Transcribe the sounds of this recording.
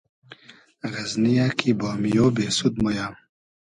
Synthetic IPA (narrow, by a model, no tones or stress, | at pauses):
ɣɐznijakʰibɑːmijoːbeːsud̪̚moja